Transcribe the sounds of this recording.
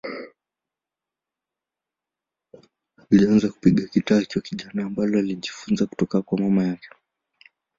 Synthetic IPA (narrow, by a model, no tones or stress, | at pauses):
ilianzaku̥piɠakitaːt͡ʃwɔkiʄanaːmbalɔaliʄifunzaku̥tɔkakwamamajakɛ̥